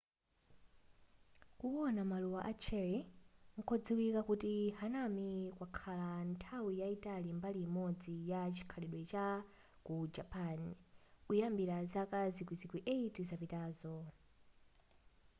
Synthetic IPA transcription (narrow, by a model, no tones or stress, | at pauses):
kuɔnamaluwaʔat͡ʃʰɛɾiŋ̩kʰɔd͡ziwikakutihanamikwakʰalantʰawijaitalimbalimɔd͡zijat͡ʃi̥kʰalɛɗwɛt͡ʃa | kud͡ʒapanujambiɾazakazikwizikwiʔeitizapitaːzɔ